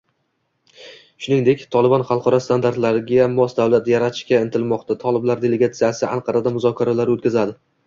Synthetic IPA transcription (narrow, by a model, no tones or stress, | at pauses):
ʃʊnɪŋd̪e̞kʲt̪ʰɒlˠɪbɒnχɑlˠqʰɒɾɒst̪ʰand̪aɾt̪laɾɡʲamɒsd̪avlat̪jaɾat̪ʰɪ̥ʃkʲaɪnt̪ʰɪlmɒqt̪ʰat̪ʰɒlˠɪblaɾd̪eleɡat̪sɪjasɪjaʔanqʰɑɾad̪amʊzɒkʲʰaɾalaɾot̪̚kʲazad̪ɪ